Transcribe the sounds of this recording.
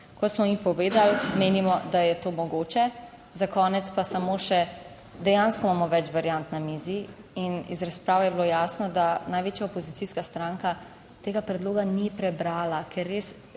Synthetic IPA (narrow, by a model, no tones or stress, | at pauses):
kɔt̪smɔipɔʋeːd̪almeːnimɔd̪ajɛt̪oːmɔɡoːt͡ʃɛ | zakɔːnɛt̪spasamoːʃɛ | d̪ɛjãnskɔmaːmɔʋɛt͡ʃʋaɾjant̪namiziinizɾaspɾaːwɛjɛbloːjaːsnɔd̪anajʋeːt͡ʃjaɔpɔzit̪iskast̪ɾaŋka | t̪eːɡapɾɛd̪loːɡanipɾɛbɾaːlakʰɛɾːeːs